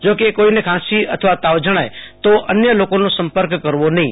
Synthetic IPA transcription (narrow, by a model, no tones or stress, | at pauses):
d͡ʒokekoinekʰãsiət̪ʰəʋat̪aʋd͡ʒəɽ̃ajt̪oʔənjəlokonosə̃mpəɾkːəɾʋonəɦĩ